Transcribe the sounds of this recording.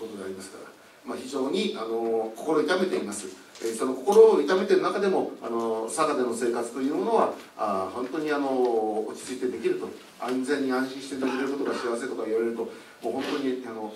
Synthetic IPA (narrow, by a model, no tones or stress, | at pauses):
kot̪od̪eaɾʲimasɨ̥kaɾa̰ | maçiʑo̞ːɲ̟iano̞ko̞ko̞ɾoːit̪ame̞t̪e̞imasɨ | so̞no̞ko̞ko̞ɾo̞ːit̪ame̞t̪e̞ɾɯ̟nakad̪e̞mo̞a̰no̞sakad̪eno̞se̞ːkat͡sɨ̥t̪o̞jɯ̟ːmmo̞no̞βa | ahõ̞nt̪o̞ɲ̟iano̞ot͡ɕi̥t͡sɨit̪e̞d̪e̞kʲiɾɯ̟t̪o̞ | ãnzẽ̞ɲ̟ːiãɰ̃ɕĩɕi̥t̪e̞d̪ekɯɾe̞ɾɯko̞t̪o̞ɡaɕiaβas̬e̞ːt̪o̞kaiβaɾe̞ɾɯ̟t̪o̞ | moːhõ̞nt̪o̞ɲ̟iano̞